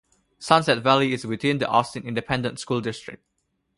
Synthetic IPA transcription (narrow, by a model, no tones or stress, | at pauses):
sãnsɛtvɛliɪswɪθɪ̃nd̪iʔɔstə̃nɪ̃ndɪpʰɛ̃ndə̃ntskulˠdɪstɹ̥ɪ̰k̚t̚